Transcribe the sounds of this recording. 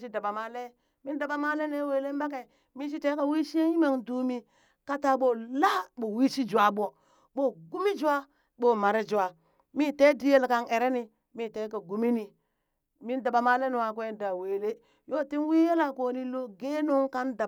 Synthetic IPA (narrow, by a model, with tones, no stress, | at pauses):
ʃi˦da˨ba˨ma˦le˦ | mi˦nda˨ɓa˨ma˦le˦ne˦we˨le˦mba˦ke˨ | mi˦ʃ̬i˦te˦ka˨wi˦ʃi˦e˦ji˦ma˦˨ŋdu˦mi˦ | ka˦ta˨ɓo˨la˦ɓo˨wi˦ʃi˦d͡ʒu˨a˦ɓo˨ | ɓo˦ɡu˦mi˦d͡ʒu˦a˦ | ɓo˦ma˨ɾe˦d͡ʒu˨a˨ | mi˦te˦di˦je˦lka˨ne˨ɾe˦ni˨ | mi˦˨te˦ka˨ɡu˨mi˦ni˨ | mi˦nda˨ba˨ma˦le˦ni˨wa˨kwe˦nda˨we˨le˦ | jo˦ti˦nwi˦je˦la˨ko˨ni˦lo˦ɡe˦no˦ŋka˦nda˨